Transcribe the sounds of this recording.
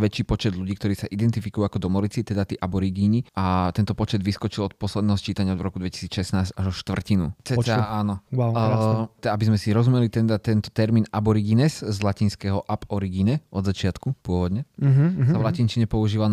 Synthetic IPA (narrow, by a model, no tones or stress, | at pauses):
ʋɛt͡ʃiːpɔt͡ʃɛd̪ʎuɟiːkt̪ɔɾiːsaʔid̪ɛnt̪ifikujuakɔd̪ɔmɔlit͡sit̪ɛd̪at̪ɛʔabɔɾiɡiniat̪ɛnt̪ɔpɔt͡ʃɛd̪ʋiskɔt͡ʃilɔt̪̚pɔslɛd̪nɛɦɔst͡ʃiːt̪aɲɪaɔd̪vɾɔkud̪ʋɛci̥siːt͡sʃɛsnaːzɟaʒɔʃt̪ʋr̩cinṵt͡sɛɛaːnɔ | abizmɛsiɾɔzumɛlit̪ɛd̪at̪ɛnt̪ɔ̥t̪ɛɾmiːnabɔɾiɡinɛszlaciːnskɛɦɔʔapɔɾiɡiɲɛɔd̪zat͡ʃɪat̪kupʊɔʋɔd̪ɲɛsaʋlacint͡ʃiɲɛpɔuʒiːʋal